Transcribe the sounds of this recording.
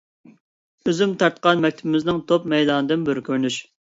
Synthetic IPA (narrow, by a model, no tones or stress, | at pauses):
øzymt̪ʰɑɾt̪qʰɑnmɛk̚ʲt̪ʰɪbɪmɪznɪŋt̪ʰop̚mɛjd̪ɑːnɨd̪ɨnbɪɾkʲʰøɾnyʃ